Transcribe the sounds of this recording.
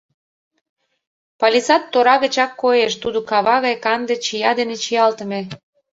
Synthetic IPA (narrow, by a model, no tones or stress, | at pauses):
pɑlʲisɑt̪ːoɾɑɣə̆t͡ɕɑkːojeʃt̪ud̪okɑβɑɣɑjkɑnd̪et͡ɕijɑd̪enet͡ɕijɑlt̪ə̆mĕ